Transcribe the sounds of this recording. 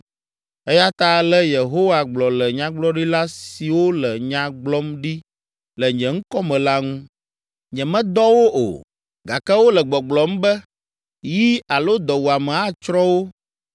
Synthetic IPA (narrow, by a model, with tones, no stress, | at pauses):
ɛ˦ja˦t̪a˦lɛ˦je˨ɦo˦wa˨ɡ͡blɔ˨lɛ˨ɲã˦ɡ͡blɔ˦ɖi˦la˦si˨wo˦lɛ˨ɲã˨ɡ͡blɔ˦mɖi˦ | lɛ˨ɲɛ̃˨ŋ̩˦kɔ˦mɛ̃˨la˦ŋũ˦ | ɲɛ̃˨mɛ̃˦d̪ɔ˦wo˦ʔo̰˨ | ɡa˨kɛ˦wo˦lɛ˨ɡ͡bɔ˨ɡ͡blɔ˨˦m̩˦bɛ˦ | ji˦a˨lo˦d̪ɔ˨wu˨a˨mɛ̃˨a˦t͡ʃɾɔ̃˦wo˦